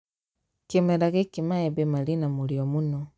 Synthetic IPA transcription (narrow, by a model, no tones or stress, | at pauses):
kemeɾaɣekimaebemalinamuliomuno